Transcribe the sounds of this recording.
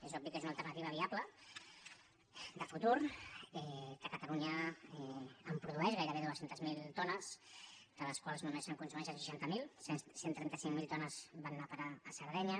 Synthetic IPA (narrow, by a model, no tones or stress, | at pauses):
ezɔbikezunalˠt̪əɾnət̪iβəβ̞iaplə | d̪əfut̪uɾɛkəkət̪əluɲəɛəmpɾuðuɛʒɣajɾəβeðuəsent̪əzmilˠt̪ɔnəsd̪̥ələskwalˠzmunmɛsəŋkunsumɛnsənsəʃant̪əmilˠsent̪ɾɛnt̪əsiŋmilˠt̪ɔnəz̥banːapəɾaːsəɾð̞ɛɲə